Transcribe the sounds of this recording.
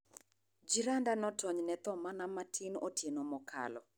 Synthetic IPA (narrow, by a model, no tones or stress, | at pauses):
d͡ʒiɾandanɔtʰɔɲnɛt̪ɔmanamatʰinotʰjenɔmɔkʰa̰lɔ̰